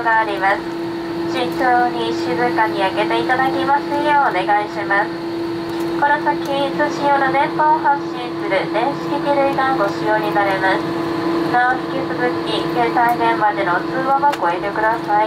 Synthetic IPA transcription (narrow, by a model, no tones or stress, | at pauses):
oɡaːɾʲimasɨ̥ | d͡ʑit͡ɕoːɲiɕɨzɨkaɲ̟iaɡe̞t̪e̞it̪ad̪akʲimasɨjoːne̞ɡaiɕimasɨ̥ | ko̞nosakʲizɨɕijoːnad̪ẽ̞mpõhaɕĩsɨɾɯ̟d̪ẽ̞ɰ̃ɕi̥t̪ekʲiɾɯ̟iɡãŋɡo̞ɕijoːɲ̟inaɾe̞masɨ̥ | naoçi̥kʲisɨzɨkʲiɡe̞t̪ainẽ̞mmad̪e̞no̞t͡sɨːβaɡako̞e̞t̪e̞kɯ̟d̪asai